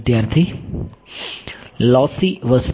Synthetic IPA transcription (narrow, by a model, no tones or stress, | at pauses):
d̪jaɾt̪ʰi | lɔsiʋəs